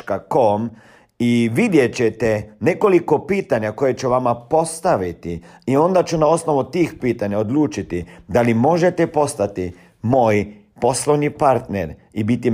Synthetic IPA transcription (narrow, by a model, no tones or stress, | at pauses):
kakom | iʋid̪je̞t͡ɕet̪ene̞ko̞liko̞piːt̪aɲako̞je̞t͡ʃuʋamapo̞st̪aʋit̪iio̞nd̪at͡ʃunao̞sno̞ʋut̪iːxpiːt̪aɲaod̪luːt͡ʃit̪id̪alimo̞ʒet̪epo̞st̪at̪i | mo̞ːj | po̞slˠoʋɲipaɾt̪neɾibit̪i